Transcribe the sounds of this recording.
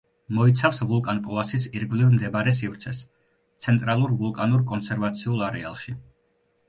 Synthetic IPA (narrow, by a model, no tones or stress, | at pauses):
mɔit̪sʰafsvulˠkʼanpʼɔlˠasisiɾɡvlivmd̪ɛbɾɛs̬ivɾt̪sʰɛs | t̪sʰɛnt̪ʼɾalˠuɾvulˠkʼanuɾkʼɔnsɛɾvat̪sʰiulˠaɾɛa̰lˠʃi